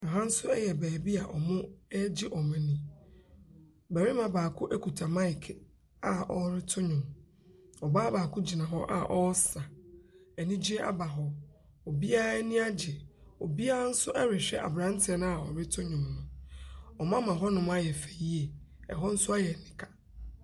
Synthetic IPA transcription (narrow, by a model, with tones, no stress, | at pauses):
a˨ɦã˦n̩˦sʊ˦ɛ˦jɛ˨bɛː˨bi˦a˨ʔɔ˨mʊ̃˦ɛ˦d͡ʑɪ˦ʔɔ˨mɛ̃˨nĩ˦ | bɛ˨ɾɪ˦mã˨baː˨kʰʊ˦ʔɛ˦kʰu˨tʰa˨mã˦ɪ˨kʰ | a˨ʔɔ˨ɾɪ˦tʰʊ˦ɲʊ̃˨m | ɔ˨ba˦baː˨kʰʊ˦d͡ʑi˨nã˨ɦɔ˦ʔa̰˨ʔɔ˦sa˨ɛ˨nĩ˦d͡ʑi˦e˦ʔa̰˦ba˨ɦɔ˦ | o˨bi˦a˦nĩ˦a˦d͡ʑɪ˨o˨bi˦a˦a˦n̩˦sʊ˦ʔɛ˦ɾɪ˨ɕᶣɛ˦ʔa̰˨bɾã˦n˦tʰɪ˨ɛ˨nʊ̃˦a˨ɔ̰˨ɾɪ˦tʰʊ˦ɲʊ̃˨mnʊ̃˨ɔ˨m˦ã˦mã˨ɦɔ˦nʊ̃˨m̃˦a˦jɛ˨fe˨ji˦e˨ɛ̰˨ɦɔ˦n̩˦sʊ˦a˦jɛ˨nɪ̃˨kʰa˨